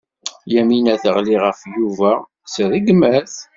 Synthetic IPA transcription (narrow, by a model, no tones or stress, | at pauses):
jæminæθəʁliʁəfjuvæ | səðiɡmæθ